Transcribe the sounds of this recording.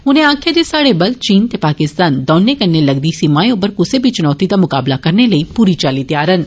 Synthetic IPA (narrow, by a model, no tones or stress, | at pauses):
ʊnẽãːkʰjed̪esaːɽebɐlt͡ʃiːnt̪epaːkɪst̪aːnd̪ɔːnːekɐɾnelɐɡd̪isimaːjobəɾkʊsebʱit͡ʃʊnɔːt̪id̪amʊkaːblakɐɾneləipuːɾit͡ʃaːlit̪jaːɾən